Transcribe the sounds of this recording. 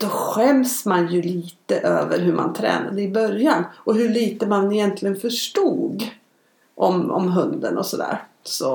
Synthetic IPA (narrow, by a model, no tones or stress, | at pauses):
d̪̥ɔɧɛmsmanjɵliːt̪əʔø̰ːvəɾɦɵma̰nt̪ʰɾɛ̰ːna̰d̪əɪbœɾjanɔɦɵɭiːt̪əmanɪjɛnt̪ʰlɪɡənfœʂʈuːɡ | ʔɔmɔ̰mɦɵnd̪ə̰nɔsɔd̪æ̰ːɾ | sɔ